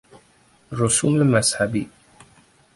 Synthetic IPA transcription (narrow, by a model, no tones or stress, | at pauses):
ɾʊsuːmɪlmashabiː